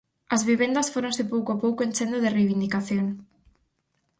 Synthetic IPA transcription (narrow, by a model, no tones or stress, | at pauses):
ɐzβiβend̪ɐsfoɾõnsɪpowkoapowkoẽnt͡ʃend̪oðɪrejβind̪ikaθjoŋ